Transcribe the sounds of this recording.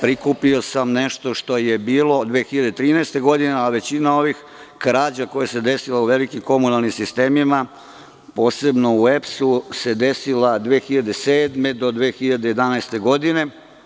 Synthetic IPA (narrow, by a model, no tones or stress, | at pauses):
pɾikupio̞samneʃt̪o̞ʃt̪o̞je̞biːlo̞d̪ʋeːxiʎad̪et̪ɾiːnɛest̪e̞ɡo̞d̪ineaʋe̞t͡ɕinao̞ʋix | kɾaːd͡ʑako̞jase̞d̪e̞silauʋe̞likimko̞munalˠnimsist̪e̞ːmima | po̞ːse̞bno̞uepsuse̞d̪e̞silad̪ʋeːxiʎad̪e̞seːd̪me̞d̪o̞d̪ʋeːxiʎad̪e̞je̞d̪anaest̪e̞ɡo̞d̪ine̞